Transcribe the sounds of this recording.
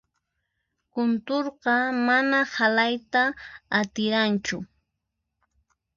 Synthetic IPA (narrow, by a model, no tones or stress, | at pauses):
kʊnt̪oɾqɑmanahalajt̪aːt̪ɪɾant͡ʃʊ